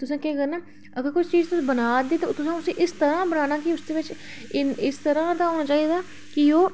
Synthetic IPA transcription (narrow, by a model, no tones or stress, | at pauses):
t̪ʊsãːkeɡənaː | əɡəɾkʊt͡ʃʰt͡ʃiːzt̪ʊsːbənaːd̪iːt̪et̪ʊsãːʊsẽːʔɪst̪əɾãːbənaːnãːkɪʊsd̪eːʋɪt͡ʃ | ɪɪst̪əɾãːd̪aːɦoːnaːt͡ʃaːiːd̪aː | kɪoː